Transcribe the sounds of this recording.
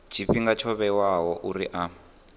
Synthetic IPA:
d͡ʒ̥iɸiŋɡat͡ʃʰɔβɛwaɦɔʔuriʔa

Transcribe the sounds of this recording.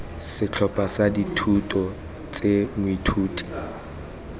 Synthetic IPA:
sɪt͡ɬʰɔpʼasaditʰutʼɔ | t͡sʼemʊitʰuːtʼi̥

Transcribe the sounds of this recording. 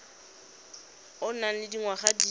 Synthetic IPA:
ʊnalɪdiŋwaχadi

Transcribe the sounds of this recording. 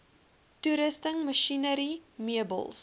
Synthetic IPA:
tuɾəstəŋməʃinəɾimiəbə̰lˠs

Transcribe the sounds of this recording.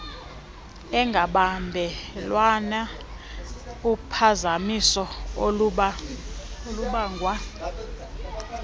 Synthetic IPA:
ɛŋɡʱaɓambʱɛlwana | upʰazamisɔoɓa | luɓaŋʱwa

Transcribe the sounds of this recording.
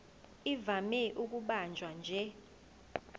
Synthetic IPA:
ivamɛʔuk̬ʼuɓand͡ʒʱwand͡ʒʱɛ

